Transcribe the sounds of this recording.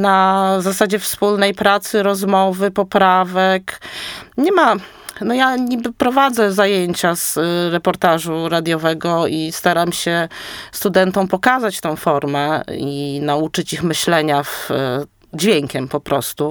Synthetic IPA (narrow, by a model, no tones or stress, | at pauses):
nazasad͡ʑɛfspulnɛjpɾat̪sɘɾɔzmɔvɘpɔpɾavɛk | ɲɛma | nɔjaɲibɘpɾɔvad̪zɛzajeɲt͡ɕazɾɛpɔɾt̪aʐuɾad̪ʲjɔvɛɡɔist̪aɾamɕɛst̪ud̪ɛnt̪ɔ̃w̃pɔkazat͡ɕt̪ɔ̃w̃fɔɾmɛinaut͡ʂɘt͡ɕixmɘɕlɛɲav | d͡ʑvʲjeŋkʲɛmpɔpɾɔst̪u